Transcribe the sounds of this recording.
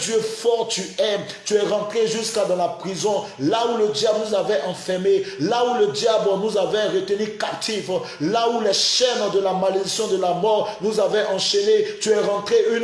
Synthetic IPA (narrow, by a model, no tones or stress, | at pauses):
d̪jøfɔʁt̪yɛ | t̪yɛʁɑ̃t̪χeʒyskad̪ɑ̃lapχizɔ̃ | lauləd̪jablnuzavɛʔɑ̃fɛʁmelauləd̪jablənuzavɛʁət̪ənykap̚t̪ʰif | laulɛʃɛnd̪əlamaled̪isjɔ̃d̪əlamɔʁnuzavɛʔɑ̃ʃenet̪yɛʁɑ̃t̪χeyn